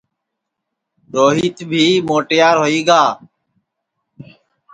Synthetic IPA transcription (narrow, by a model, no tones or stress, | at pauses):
ɗoːɦiːt̪bʱiːmoːʈɪjaːɾɦoːiːɡaː